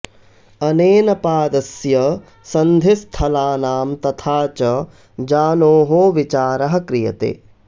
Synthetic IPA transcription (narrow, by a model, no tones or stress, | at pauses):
ɐneːnɐpaːd̪ɐsjɐ | sɐnd̪ʱist̪ʰɐlaːnaːmt̪ɐt̪ʰaːt͡ʃɐ | d͡ʒaːnoːɦoːʋit͡ʃaːɾɐɦɐ̆kɾijɐ̰t̪ḛː